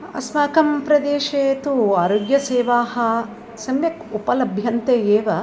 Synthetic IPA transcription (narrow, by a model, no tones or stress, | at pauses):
ɐ̰smaːkɐmpɾɐd̪eːʃeːt̪uaːɾoːɡjɐseːʋaːhɐ̆ | sɐmjɐkupɐlɐbʱjɐnt̪eeːʋɐ